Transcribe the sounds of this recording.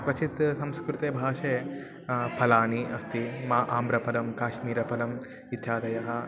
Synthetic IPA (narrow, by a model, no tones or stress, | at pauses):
kʋɐt͡ʃʰit̪sɐmskɾut̪eːbʱaːʃeː | pʰɐlaːniʔɐst̪imaːʔaːmbɾɐpɐlɐmkaːʃmiːɾɐpɐlɐm | it̪jaːd̪ɐjɐɦɐ